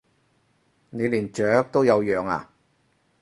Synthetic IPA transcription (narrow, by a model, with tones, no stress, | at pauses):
ne˨˧liː˨˩nt͡ʃœː˨˥k̚t̪o˥wjɐ˨˧wjœː˨ŋa̰ː˨